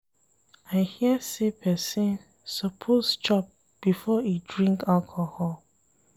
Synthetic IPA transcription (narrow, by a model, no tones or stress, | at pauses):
aɪhiəsepʰɛsĩn | səpʰost͡ʃɔp̚ | b̥ifɔidɹĩŋkalkʰohɔl